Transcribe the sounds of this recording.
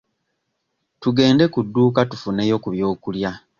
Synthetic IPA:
tuɡe̞ːnde̞kudːuːkatufune̞jo̞kuβjo̞ːkulja

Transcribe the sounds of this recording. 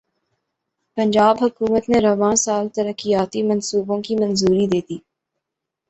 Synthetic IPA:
pɐ̃ɲd͡ʒaːbɦɐkuːmət̪neɾɐʋãːsaːlt̪ɐɾəkːijaːt̪imɐnsuːbõkimɐnzuːɾid̪eːd̪iː

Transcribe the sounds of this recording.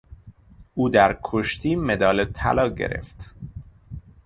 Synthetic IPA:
ʔuːd̪æɾkʰoʃt̪iːme̞d̪ɒːlet̪ʰæ̰lɒːɟḛɾḛft̪

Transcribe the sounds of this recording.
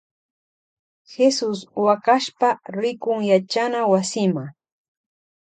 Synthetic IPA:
xesʊswakaʃpaɾɪkʊŋjat͡ʃanawasɪma

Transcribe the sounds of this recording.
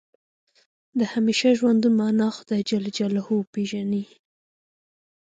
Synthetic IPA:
d̪əhameʃaʒwand̪umɑnɑxʊ̥d̪ɑjd͡ʒald͡ʒalahopeʒani

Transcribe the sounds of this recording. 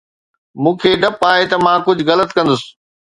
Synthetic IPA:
mũːkʰeːɖɐpaːɦet̪ɐmãkʊd͡ʑʱɣɐlət̪kɐ̃nd̪ʊsɪ̥̆

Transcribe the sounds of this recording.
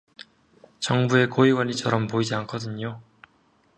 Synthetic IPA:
t͡ɕʌŋbue̞koiɡwʌɲit͡ɕʰʌɾʌmpoid͡ʑiankʰʌdɯɲo

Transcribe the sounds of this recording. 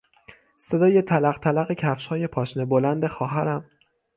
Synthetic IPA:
se̞d̪ɒːje̞t̪ʰælæʁt̪ʰælæɣecʰæfʃhɒːje̞pʰɒːʃnebolænd̪e̞xɒːɦæɾæm

